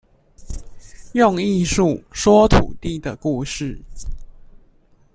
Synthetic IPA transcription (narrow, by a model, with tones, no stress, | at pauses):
jʊ˥˨ŋi˥˧ʂu˥˨ʂwɔ˥t̪ʰṵ˨˩t̪i˥˩d̪ə˩ku˥˧ʂɻ̩˥˩